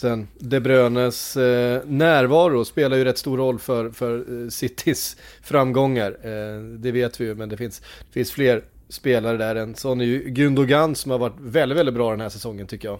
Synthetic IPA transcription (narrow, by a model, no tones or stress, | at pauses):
sɛnd̪ɛbɾøːnəs | næːɾvɑːɾʊspeːlaɾjɵɾɛt̪ːst̪uːɾɔlːfœɾfœɾsɪt̪ʰːɪsfɾamːɡɔŋːaɾd̪ɛveːt̪vɪjɵmɛnd̪ɛfɪnsd̪̥ɛfɪnsfleːɾ | speːlaɾəd̪æɾɛnsɔnjɵɡɵnd̪ʊɡanːsɔmhaɾvaʈːvɛld̪ɪt̪vɛlɪt̪bɾɑːɪd̪ɛnɦæːʂɛsɔŋːənt̪ʰʏkːəjɑː